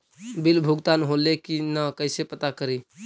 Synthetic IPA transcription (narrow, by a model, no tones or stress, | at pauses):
bilbʱuɡt̪anɦolekinəkəɪsepət̪akəɾi